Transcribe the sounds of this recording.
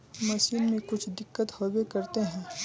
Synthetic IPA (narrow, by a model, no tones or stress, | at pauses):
mɐsiːnmẽkʊt͡ʃʰd̪ɪkːət̪hɔːbekɐɾt̪eɦɛ̃ː